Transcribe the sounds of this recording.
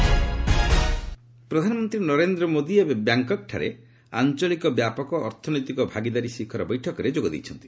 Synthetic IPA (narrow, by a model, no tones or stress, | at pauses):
pɾɔd̪ʱanɔmɔnt̪ɾinɔɾend̪ɾɔmod̪iebebjaŋkɔk̚ʈʰa̰ɾḛ | a̰nt͡ʃɔlikɔbjapɔkɔʔːɾt̪ʰɔnɔjt̪ikɔbʱaɡid̪aɾisikʰɔɾɔbɔjʈʰɔkɔɾed͡ʒoɡɔd̪ḛjt͡ʃʰɔnt̪i̥